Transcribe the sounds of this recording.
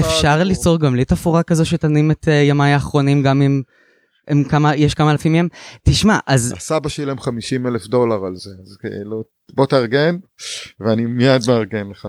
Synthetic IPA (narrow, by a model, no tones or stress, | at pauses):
efʃaʁlit͡so̞ʁɡamlitafuʁakazo̞ʃetanimetʰjomajaːχʁo̞nimɡamim | ʔemkamajɛʃkamaːlafimemtiʃmaʔazasabaʃelemχamiʃimelefdo̞laʁalzeazkḛḭlu | bo̞t̪aʁɡenveanimijad̪meaʁɡenleχa